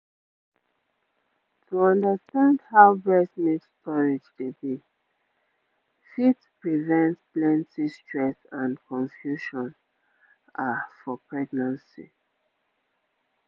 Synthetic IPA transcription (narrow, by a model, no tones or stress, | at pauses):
tʰuɔ̃ndəstãndhaʊbɹɛsmitstɔɹid͡ʒdebi | fitpɹivɛ̃ntplɛ̃ntistɹɛsãnkɔ̃nfjuʃɔ̃n | afɔpɹɛɡnãnsḭ